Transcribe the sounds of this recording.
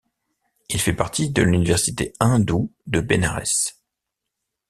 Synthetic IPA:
ilfɛpaʁt̪id̪əlynivɛʁsit̪eɛ̃d̪ud̪əbenaʁɛ̰s

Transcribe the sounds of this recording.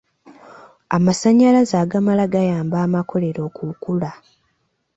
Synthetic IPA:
amasaɲːalazaːɡamalaɡajaːmbaːmako̞le̞ɾo̞ːkukula

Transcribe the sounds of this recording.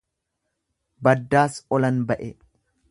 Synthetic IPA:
bɐd̪ːaːsɔlɐnbɐʔɛ

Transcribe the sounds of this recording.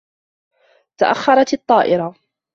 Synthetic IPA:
t̪aʔaxːɑɾˤɑt̪ɨt̪ˤːɑːʔɪɾɑ

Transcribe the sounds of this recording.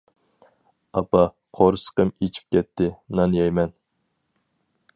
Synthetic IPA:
ɑpɑ | qʰoɾɨsə̥qəmet͡ʃʰi̥p̚kʲɛt̪ʰːɪnɑnjɑjmɛn

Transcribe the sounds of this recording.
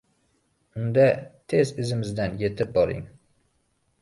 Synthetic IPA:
ʊnd̪at̪ʰe̞zɪzɪmɪzd̪anje̞t̪ʰɪp̚bɒɾɪ̰ŋ

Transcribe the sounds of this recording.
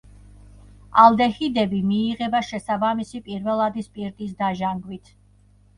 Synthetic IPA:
alˠd̪ɛhid̪ɛbimiːʁɛbaʃɛsabamisipʼiɾvɛlˠad̪ispʼiɾt̪ʼis̬d̪aʒaŋɡwit̪ʰ

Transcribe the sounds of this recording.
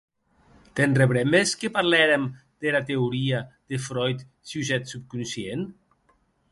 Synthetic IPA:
t̪enreβɾemeskepaɾlɛɾemd̪elat̪euɾiad̪̥efɾɔjt̪ | suzɛt̪sup̚kunsjen

